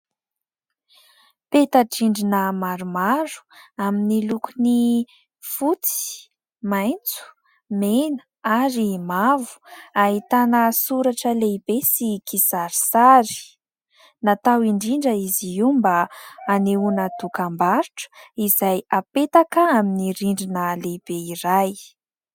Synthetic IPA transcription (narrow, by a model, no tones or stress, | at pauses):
pet̪aʈ͡ʂiɳɖ͡ʐinəmaɾumaɾu̥aminilukuni | fut͡si̥ | majnt͡su̥ | menə̥ | aɾimavu̥aɦit̪anəsuɾaʈ͡ʂəleibesikisaɾisaɾi̥ | nat̪awiɳɖ͡ʐiɳɖ͡ʐəiziiumbaːneunat̪ukambaɾiʈ͡ʂə̥izajapet̪akaaminiɾiɳɖ͡ʐinəleb̥eiɾaj